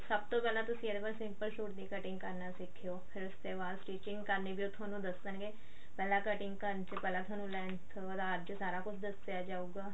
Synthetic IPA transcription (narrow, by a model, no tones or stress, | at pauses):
səb̚t̪oːpɛːlãːt̪ʊsĩːed̪bəlsɪ̃mpəlʃuːʈ̚d̪iːkəʈɪ̃ŋɡkəɾnaːsɪkʰːeoːpʰɪɾʊsd̪eːbaːlʈiːt͡ʃɪ̃ŋɡkəɾniːbʱiːʊt̪ʰaːnũːd̪əsːənɡeː | pɛːlãːkəʈɪ̃ŋɡkəɾnt͡ʃəpɛːlãːt̪ʰaːnũːlɛːɳt̪ʰ | t̪aəɾd͡ʒsaːɾaːkʊt͡ʃʰd̪əsːejaːd͡ʒaːuːɡaː